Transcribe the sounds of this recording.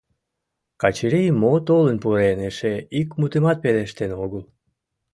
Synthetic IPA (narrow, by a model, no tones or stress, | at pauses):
kɑt͡ɕiɾejmot̪olənpuɾeneʃeikmut̪emɑt̪̚peleʃt̪enoɣəl